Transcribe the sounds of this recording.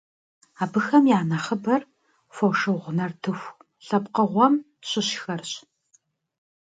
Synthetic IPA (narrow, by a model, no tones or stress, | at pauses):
aːbɨxɐmjaːnɐχəbɐr | fowʂɨwʁʷʊnɐrtʰɨxʷ | ɬɐpqəʁʷɔm | ɕɪɕxɐrɕ